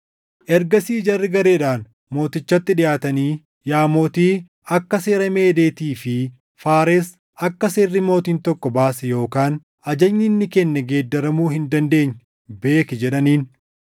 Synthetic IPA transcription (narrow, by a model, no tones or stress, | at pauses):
ʔɛɾɡɐsiːd͡ʒɐrːɪɡɐɾe̞ːᶑaːn | mo̞ːt̪ɪt͡ʃːɐt̪ːɪᶑɪjaːt̪ɐniː | jaːmo̞ːt̪iː | ɐkːɐseːɾɐme̞ːd̪e̞ːt̪iːfɪ | faːɾes | ɐkːɐseːrːɪmo̞ːt̪iːnt̪ɔkːɔbaːsɛjo̞ːkaːn | ɐd͡ʒɐɲːɪnːɪkɛnːɛɡe̞ːd̪ːɐɾɐmuːɦɪnd̪ɐnd̪e̞ːɲː | be̞ːkɪd͡ʒɛᶑɐniːn